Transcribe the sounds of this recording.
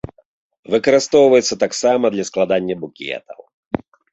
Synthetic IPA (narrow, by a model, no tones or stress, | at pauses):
vɨkɐɾɨst̪ɔwvɐjɛt̪sːɐt̪aksamɐd̪lʲɐsklˠad̪anʲːɐbukʲɛ̰t̪ɐw